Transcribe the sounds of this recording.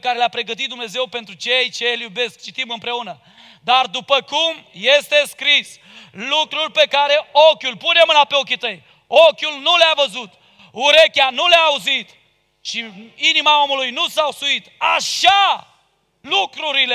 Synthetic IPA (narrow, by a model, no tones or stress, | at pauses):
kaɾe̞leapɾe̞ɡət̪̬it̪̚d̪umne̞zewpe̞nt̪ɾut͡ʃejt͡ʃeljube̞sk̚t͡ʃit̪imɨmpɾe̞unə | d̪ard̪upəkumje̞st̪e̞skɾis | lukɾurʲpe̞kaɾe̞o̞kʲulpunemɨnapeo̞k̬ʲit̪əj | okʲulnuleavəzut̪ | uɾe̞kʲanuleaːuzit̪ | t͡ʃiinimao̞mulujnusawsuit̪aʃa | lukɾuɾile